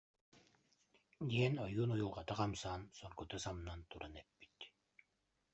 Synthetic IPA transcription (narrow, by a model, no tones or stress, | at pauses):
d̪iɛnɔjuːnujulˠʁat̪aqɑmsaːnsɔɾkut̪asamnant̪uɾanɛpːi̥t̪